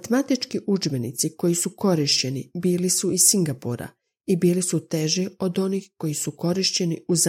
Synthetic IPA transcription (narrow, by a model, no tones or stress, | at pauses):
t̪mat̪it͡ʃkiʔud͡ʒbe̞nḭt̪siko̞jisuko̞ɾiʃt͡ɕe̞nibiːlisuisiŋɡapuɾa̰ | ibiːlisut̪e̞ʒiod̪o̞niːxko̞jisuko̞ɾiʃt͡ɕe̞niuz